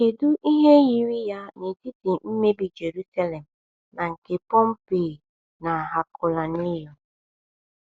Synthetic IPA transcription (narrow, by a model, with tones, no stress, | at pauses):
e˨du˦ʔi˦ɦe˦ji˨ɾi˦ja˦ne˨ti˦ti˨m̩˦me˦bi˨d͡ʒe˨ɾu˦sa˦le˨m̩˨ | na˨ŋ̩˨ke˨pɔ˦m̩˦peː˨ | na˨a˨ɦa˨kʊ˨la˨ni˦jɔ˦